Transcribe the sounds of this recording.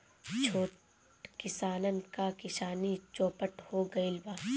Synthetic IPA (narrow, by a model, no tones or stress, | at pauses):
t͡ʃʰoːʈ | kɪsaːnənkakɪʃaːnit͡ʃõːpəʈhoɡɐilbaː